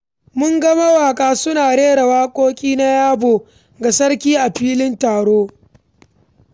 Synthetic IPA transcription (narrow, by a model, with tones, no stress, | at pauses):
mʊ˦ŋɡɐ˦ma˦waː˨kʼaː˦sʊ˦naː˨ɽeː˦ɽɐ˨waː˦kʷʼoː˦kʲʼiː˦na˦jaː˦boː˨ | ɡa˨sɐ˦ɽkʲiː˦ʔa˨ɸiː˦lɪ˦ntaː˨ɽoː˦